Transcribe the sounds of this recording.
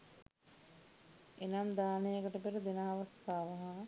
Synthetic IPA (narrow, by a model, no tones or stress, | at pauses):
enamd̪aːnejəkəʈəpeɾəd̪enaːʋɐst̪aːʋɐɦa